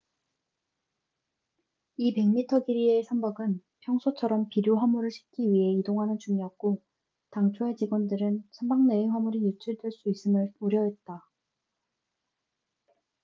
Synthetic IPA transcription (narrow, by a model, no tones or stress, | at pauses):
ipe̞ŋmitʰʌɡiɾie̞sʰʌmbaɡɯnpʰjʌŋsʰot͡ɕʰʌɾʌmpiɾjoɦamuɾɯɭɕʰi̥p̚k͈iɥiɦe̞idoŋɦanɯnt͡ɕuŋijʌk̚k͈o | taŋt͡ɕʰoe̞t͡ɕiɡwʌndɯɾɯnsʰʌmbaŋneiŋwamuɾijut͡ɕʰiɭdweɭs͈uis͈ɯmɯɭoɾjʌɦe̞t̚t͈a